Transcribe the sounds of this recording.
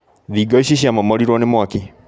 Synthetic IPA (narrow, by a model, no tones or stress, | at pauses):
ðiːɡɔiɕiɕ̬iamɔmɔɾiɾwɔnemwaki